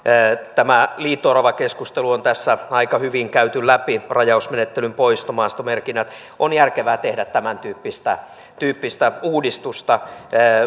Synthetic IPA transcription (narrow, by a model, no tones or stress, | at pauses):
t̪æmæliːt̪ːorɑʋɑkeskust̪eluont̪æsːæɑikɑhyʋiŋkæyt̪ylæpirɑjɑusmenet̪ːelympoist̪omɑːst̪omerkinːæt̪ | onjærkeʋæːt̪ehdæt̪tæmænt̪yːpːist̪æ | t̪yːpːist̪æuːdist̪ust̪ɑː